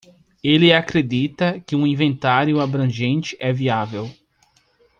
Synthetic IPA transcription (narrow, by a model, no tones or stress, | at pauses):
elɪakɾed̪it̪ɐkɪũĩvẽnt̪aɾjʊabɾɐ̃ʒẽnt͡ʃɪ̥ʔɛviavew